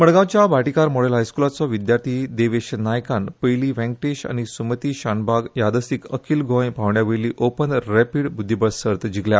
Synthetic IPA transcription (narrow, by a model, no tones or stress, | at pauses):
məɽɡãwt͡ɕjabaʈikaɾmoɽelɦajskulat͡sɔʋid̪jaɾt̪ʰiːd̪eʋeɕənajkãnpəjliːʋɛ̃ŋkʈeɕa̰ñisumət̪iːɕanbaɡjad̪əsikəkʰiːlɡʱõjpaʋɳjaʋeɭliːʔopənɾepiɽbud̪ʱːibəɭsəɾt̪d͡ʑiɡlja